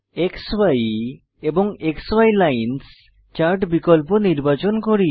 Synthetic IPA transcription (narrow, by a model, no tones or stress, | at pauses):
ekswaj | eboŋekswajlajns | t͡ɕaɾʈbikolponiɾbat͡ɕonkoɾi